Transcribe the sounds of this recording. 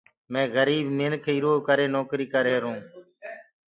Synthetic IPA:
mẽːɣəɾiːbmɪnkʰeːɪɾoːkəɾeːnoːkɾiːkəɾeːɾũː

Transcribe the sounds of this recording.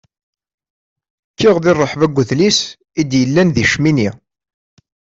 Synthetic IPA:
t͡ʃːiʁðɪrˤːəħvæɡʷːʊθlis | id̪jəlːænðiʃmini

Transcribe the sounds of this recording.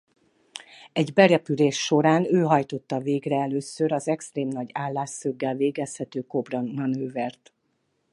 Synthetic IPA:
ɛɟbɛɾɛpyleːʃːo̞ɾaːnøːɦɒjt̪o̞t̪ːɒveːɡrɛɛløːsøɾɒzɛkst̪reːmnɒɟaːlːaːsːøɡːɛlveːɡɛshɛt̪øːko̞brɒnɒnøːvɛrt̪

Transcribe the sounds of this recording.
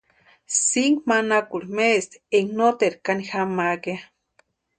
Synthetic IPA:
siŋɡmanakuɾimest̪eŋnot̪eɾkanixamaʔkea

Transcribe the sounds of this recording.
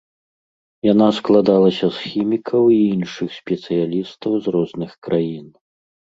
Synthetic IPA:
janasklˠad̪alˠɐsʲɐsxʲimʲikʰɐwiinʂɨxsʲpʲɛt̪sɨjalʲist̪ɐwzrɔznɨxkɾʔajin

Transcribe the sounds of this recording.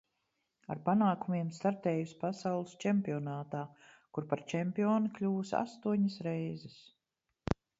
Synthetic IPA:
a̰ɾpanaːkumiɛmst̪aɾt̪ɛːjuspasawlˠɨst͡ʃɛmpʲiɔnaːt̪aː | kuɾpaɾt͡ʃɛmpiɔːnklʲuːsa̰st̪uɔɲɐsɾɛjzɛs

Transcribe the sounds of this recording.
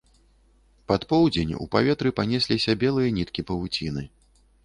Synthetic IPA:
pat̪pɔwd͡zʲenʲṵpavʲɛt̪ɾɨpanʲɛsʲlʲisʲɐbʲɛlˠɨjɐnʲit̪kʲipɐvut͡sʲinɨ

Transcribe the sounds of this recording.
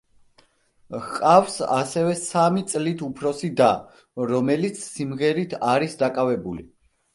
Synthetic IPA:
hqʼafsa̰sɛvɛsamit̪sʼlit̪ʰupʰɾɔsid̪a | ɾɔmɛlit̪sʰsimʁɛɾit̪ʰaɾisd̪akʼavɛbulḭ

